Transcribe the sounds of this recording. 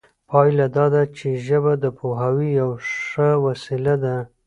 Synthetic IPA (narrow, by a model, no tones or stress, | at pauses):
pʰɑjlad̪ɑd̪at͡ʃeʒəbad̪əpʰoɦawijawʂəwasilad̪a